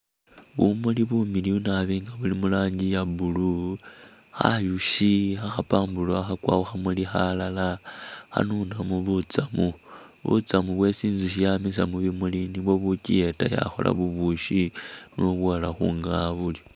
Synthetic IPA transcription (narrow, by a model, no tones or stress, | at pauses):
βumuliβumiliunaβiːŋɡaβulimulaːɲɟijabulu | xa̰juʃixaxapaːmbulwaxakwa̰ːuxamulixalalaxa̰nunamuβut͡samuβṵt͡samuβwe̞siːnzuʃijamis̬amuβimuliniβwo̞βucie̞ta̰ja̰xo̞̰lʔa̰βuβuʃinoβwalaxṵːŋɡaβuljo